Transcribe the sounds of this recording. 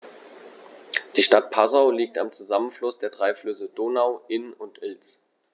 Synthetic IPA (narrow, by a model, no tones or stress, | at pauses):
d̥iːʃtat̚pʰazaʊliːk̚tamt͡suzamənflʊsd̥eːɐdʁaɪflʏsədoːnaʊʔɪnʊntʔɪlt͡s